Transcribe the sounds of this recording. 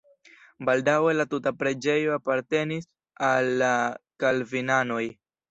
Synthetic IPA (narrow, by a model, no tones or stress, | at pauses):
baldawe̞latutapɾe̞d͡ʒe̞jo̞apaɾte̞nis | alːakalvinano̞j